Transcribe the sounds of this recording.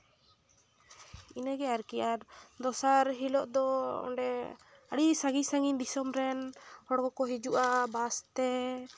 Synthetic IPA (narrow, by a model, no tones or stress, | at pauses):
inəɡɛaɾkijaɾd̪ɔsaɾɦilɔʔd̪ɔɔ̰ɖɛ | aɽisaɡisaŋind̪isɔmɾɛnhɔɽɡɔkɔɦid͡ʒuʔabast̪ɛ